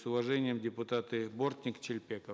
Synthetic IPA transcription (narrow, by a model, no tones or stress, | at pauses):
sʊvɐʐɛnʲɪjəmdʲɪpʊt̪at̪ɨbort̪ʲnʲɪkt͡ɕɪlʲpʲekə